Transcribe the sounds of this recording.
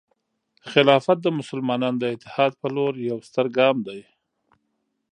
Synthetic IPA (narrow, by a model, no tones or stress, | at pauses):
xɪlɑfat̪̚d̪əmʊsəlmɑnɑnd̪əɪt̪ɪ̥hɑd̪̚pəloɾjawst̪əɾɡɑmd̪aj